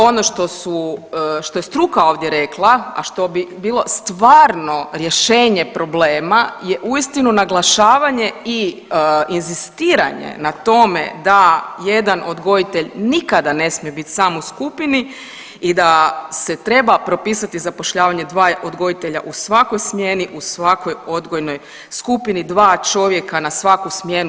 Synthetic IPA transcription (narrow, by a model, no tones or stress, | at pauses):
o̞no̞ʃt̪o̞suʃt̪o̞jest̪ɾukao̞ːʋd̪jeɾe̞klˠaa̰ʃt̪obibiːlˠo̞st̪ʋaːɾno̞ɾje̞ʃe̞ːɲe̞pɾo̞bleːmaje̞ʔuist̪inunaɡlˠaʃaːʋaɲe̞i | inzist̪iːɾa̰ɲḛnat̪o̞me̞̰d̪aje̞d̪ano̞d̪ɡo̞jit̪e̞ʎnikad̪ane̞smiebit̪ʲsaːmoskupini | id̪ase̞t̪ɾe̞bapɾo̞piːsat̪izapo̞ʃʎaːʋaɲe̞d̪ʋaːʔo̞d̪ɡo̞it̪e̞ʎa̰ʔusʋako̞jsmje̞niʔusʋako̞jo̞d̪ɡojno̞j | skupinid̪ʋaːt͡ʃo̞ʋje̞kanasʋakusmjen